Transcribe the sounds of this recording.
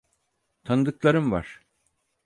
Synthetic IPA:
t̪ʰanɯd̪ɯklˠaɾɯmva̰ɾ̥

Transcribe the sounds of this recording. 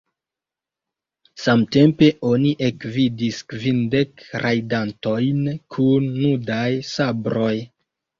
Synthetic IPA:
samte̞mpe̞ʔo̞niʔekvidiskvinde̞kɾajdanto̞jnkʰunːudajsabɾo̞j

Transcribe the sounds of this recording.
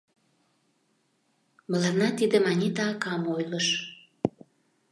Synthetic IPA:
mə̆lɑnɑt̪id̪ə̆mɑnʲit̪ɑkɑmojləʃ

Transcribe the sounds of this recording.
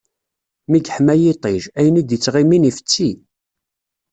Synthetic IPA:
miɡħmæjit̪ˤeʒæjənid̪jət͡sːʁiminifə̥t͡sːi

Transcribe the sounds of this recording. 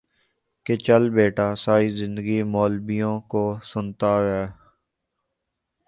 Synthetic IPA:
ket͡ʃəlbeːʈaːsaːiːzɪ̃nd̪əɡimɔːlbijõːkoːsʊnt̪aːɾɛː

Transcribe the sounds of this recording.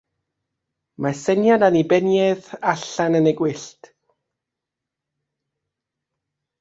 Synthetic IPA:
masɛnjadanibɛnjɛðaɬanənɛɡwɪɬt

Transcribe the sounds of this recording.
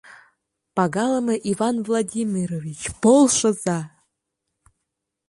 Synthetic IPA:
pɑɡɑlˠəmɤʔivɑnvlˠadʲimʲiɾovʲit͡ɕpolˠʃɤ̆zɑ

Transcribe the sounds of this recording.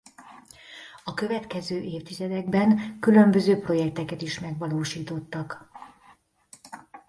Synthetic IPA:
ɒkø̞vɛt̪kɛzøːʔeːft̪izɛd̪ɛɡbɛŋkylø̞mbø̞zøːpro̞jɛk̚t̪ɛkɛt̪iʃmɛɡʋɒloːʃiːt̪o̞t̪ːɒk

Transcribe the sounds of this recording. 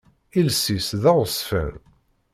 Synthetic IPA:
ilsisðæʁsˤfə̰n

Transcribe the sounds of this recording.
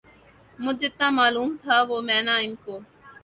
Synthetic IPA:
mʊd͡ʒʱɪt̪nãːmaːluːmt̪ʰaːʋoːmɛ̃ːnaːɪnkoː

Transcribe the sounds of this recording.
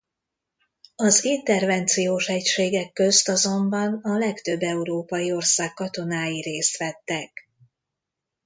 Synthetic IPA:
ɒzint̪ɛrvɛnt̪sijoːʃɛcʃeːɡɛkːø̞st̪ɒzo̞mbɒnɒlɛkt̪ø̞bːɛuɾoːpɒjio̞rsaːkːɒt̪o̞naːjiɾeːst̪ʋɛt̪ːɛk

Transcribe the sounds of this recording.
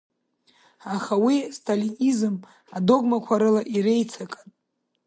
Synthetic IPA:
aχawistʰalinizɨm | ado̞ɡmakʷʰaɾɨlaʔiɾe̞jt͡sʰakʼanʼ

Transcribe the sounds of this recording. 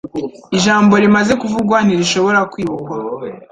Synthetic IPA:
iʒaːmbo̞ɾimaze̞kuvuɡwaniɾiʃo̞βo̞ɾakwiːβokwa

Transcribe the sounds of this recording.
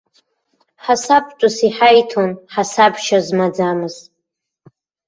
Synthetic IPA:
ħasapʰʼt͡ʃʷʼʊsiħajtʰonħasabʃazmad͡zamɨz̥tʼ

